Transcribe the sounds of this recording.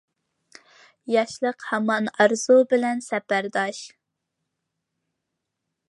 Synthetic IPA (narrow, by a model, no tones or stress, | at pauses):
jɑʃlˠəqhɛmɑnɑɾz̥ubɪlɛnsɛpæɾd̪ɑʃ